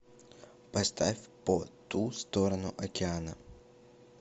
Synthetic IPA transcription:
pɐst̪afʲpot̪ust̪oɾənʊʔɐkʲɪanə̰

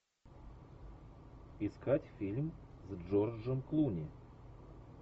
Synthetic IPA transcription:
ɪskatʲfʲilʲm | zʐorʐəmklˠunʲɪ

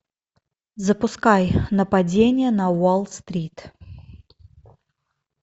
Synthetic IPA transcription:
zəpʊskajnəpɐdʲenʲɪjənɐwolˠst̪ɾʲit̪

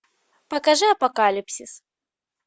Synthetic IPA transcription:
pɐkaʐɨɐpɐkalʲipsʲis

